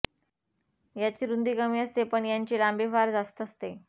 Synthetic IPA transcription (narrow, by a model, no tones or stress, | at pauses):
jat͡ɕiːɾund̪iːkəmiːəst̪epəɳjaɲt͡ɕelambefaɾd͡zast̪əst̪e